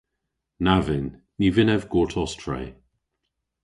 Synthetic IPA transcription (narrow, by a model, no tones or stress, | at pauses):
navɪnː | ivɪnɛvɡoːtʰɔstʰɹɛ̰j